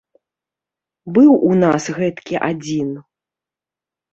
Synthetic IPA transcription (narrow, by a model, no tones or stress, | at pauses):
bɨwʔunasɣɛt̪kʲiʔad͡zʲin